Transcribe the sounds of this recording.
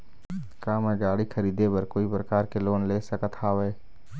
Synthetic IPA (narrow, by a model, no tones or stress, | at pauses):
kaːmɛ̃ɡaːɽixʰɐɾiːd̪ebəɾkoːipɾəkaːɾkeloːnleːsəkət̪ʰaːʋeː